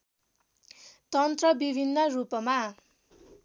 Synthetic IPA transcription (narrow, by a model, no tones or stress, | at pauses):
t̪ʌnt̪rʌbibʱinːʌrupʌma